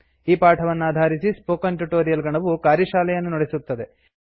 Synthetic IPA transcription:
iːpaːʈʰɐʋɐnːaːd̪ʱaːɾisispoːkɐnʈuʈoːɾijɐlɡɐɳɐʋukaːɾjɐʃaːlɛjɐnːunɔɽesut̪ːɐd̪e

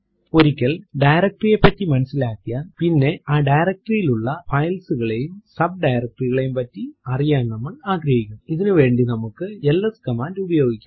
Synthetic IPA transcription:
ɔɾɯkʲːɐlɖɐjɾɐk̚ʈrijɐpːɐtːimɐnɐsɪlaːkːɪjaːnpɪnːeʔaːɖɐjɪɾɐk̚ʈrijɪlʊɭːɐfɐjlsɯɣɐɭɐjɯmsɐb̚ɖɐjɾɐk̚ʈriɣɐɭɐjɯmpɐtːiɐrɪjaːnɐmːɐɭaːɡɾɐɣɪkʲːɐmɪðɐnɯʋeːɳɖinɐmɐkːɯɛlːɐskɐmaːdiʊbɐjoːɡɪkʲː

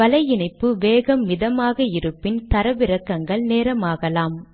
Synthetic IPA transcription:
ɐlɐɪjɪɳɐɪpːɯʋeːɣɐmːɪðɐmaːɣɐɪɾɯpːɪnt̪ɐɾɐʋɪɾɐkːɐŋɡɐɭneːɾɐmaːɣɐlaːm

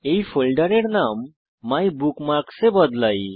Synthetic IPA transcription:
eifolɖəɾeɽnamː | ajbukmaɾksebəd̪laj

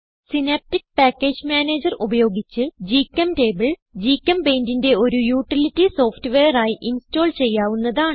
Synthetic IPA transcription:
sineːp̚tik̚paːkːeːd͡ʑmaːneːd͡ʑɐrubɐjo̞ːɡit͡ɕːɨd͡ʑiːkːɐmte̞ːbɐɭd͡ʑiːkːɐmbe̞ːndinde̞o̞ɾujuːʈːilitːiso̞ːftɨʋejɐraːjiʔinsto̞ːɭt͡ɕe̞jːaːʋunːɐðaːɳ

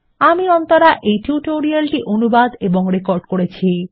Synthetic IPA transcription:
amiɔnt̪oɾaʔejʈjuʈoɾialʈiʔonubad̪eboŋɾekoɾɖkoɾet͡ɕʰi

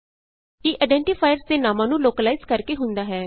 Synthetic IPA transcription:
kiːʔaɪɖɛ̃ːɳʈifʰaːjəɾzd̪eːnaːmãːnũːloːkəlaːɪzkəɾkeːɦʊnd̪aːɦɛː

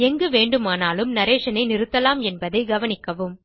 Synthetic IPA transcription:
ɛŋɡɯʋeːɳɖɯmaːnaːlɯmnɐɾeːʂɐnɐɪnɪɾɯt̪ːɐlaːmɛnbɐðɐɪɡɐʋɐnɪkːɐʋɯm

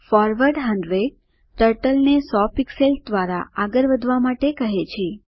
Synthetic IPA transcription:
fɔɾʋəɾɖɦə̃ɳɖʋe | ʈəɾʈəlnesɔpikselsd̪ʋaɾaaɡəɾʋəd̪ʱʋamaʈekəɦet͡ʃʰe

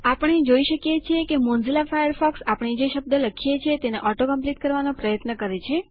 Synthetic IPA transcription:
apəɳ̃ed͡ʒoiʃəkjet͡ʃʰekemõnzilafajəɾfɔksapɳ̃id͡ʒeʃəb̚d̪ələkʰijet͡ʃʰet̪eneʔɔʈokəmpliʈkəɾʋanopɾəjət̪nəkəɾet͡ʃʰe

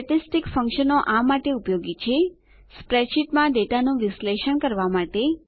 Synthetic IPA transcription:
əʈisʈikfəŋkʃənoʔamaʈeupjoɡit͡ʃʰe | spɾeʃiʈmãɖeʈanũʋɪsleʃəɳkəɾʋamaʈe

